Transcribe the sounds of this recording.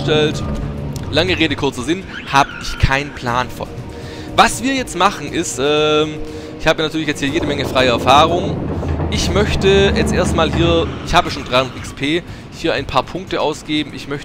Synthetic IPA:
tɛlt | laŋəʁeːdəkʰʊɐt͡sɐzɪn | haːbəʔɪçkʰaɪnənpʰl̥aːnfɔ̰n | vasv̥iːɐjɛt͡stmaχn̩ʔɪstʔɛːm | ɪçhaːbənatʰyːɐlɪçjɛt͡sthiːjeːdəmɛŋəfʁ̥aɪəɛɐfaːʁʊŋʔɪçmœçtəjɛt͡stʔeːɐstmaːlɦiːɐʔɪçhaːbəʃoːnd̥ʁaɪhʊndɐtɪkspʰeː | hiːɐʔaɪnpʰaːɐpʰʊŋk̚təʔaʊsɡ̥eːbm̩ɪçmœçt

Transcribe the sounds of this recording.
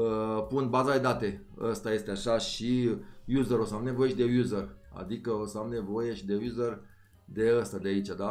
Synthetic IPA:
əpunbazad̪e̞d̪at̪e̞ | ə̰st̪aje̞st̪eaʃaʃijuzəɾo̞səamne̞vo̞je̞ʃid̪e̞juzəra̰d̪ikəo̞səamne̞vo̞je̞ʃid̪e̞juzər | d̪e̞əst̪ad̪eait͡ʃad̪a

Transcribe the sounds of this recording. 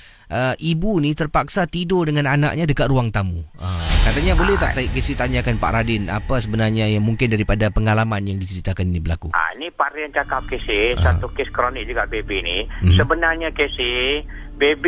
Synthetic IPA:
ʔəʔibunit̪ərpak̚sat̪idodəŋãnana̰ʔ̚ɲadəkat̪ruaŋt̪amuʔəkat̪aɲabolɛh̪aʔt̪aikesɪt̪aɲakanpa̰ʔɾadɪna̰pasəbənarɲajaŋmuŋkɪndaɾipadapəŋalamanjaŋdit͡ʃəɾit̪akaninibəlakua̰ḭnipaɾriant͡ʃakap̚kesɪsat̪ukɪskɾonɪk̚d͡ʒuɡaʔbebinisəbənarɲakesɪ | beb

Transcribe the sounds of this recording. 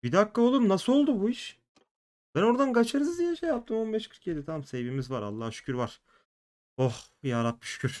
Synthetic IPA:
b̥id̪akːaolˠumnasɯlo̞lˠd̪ubuiʃ | b̥æno̞ɾd̪anɡat͡ʃʰaɾɯzɯzinɛʃejap̚t̪ɯmo̞nbɛʃkʰɯɾkjed̪it̪ʰamamsebimizvaɾa̰lˠːahʃy̥cʲʰyɾvaɾ̥ | oxjaːɾat̪̚biʃy̥cʰʲyɾ̥

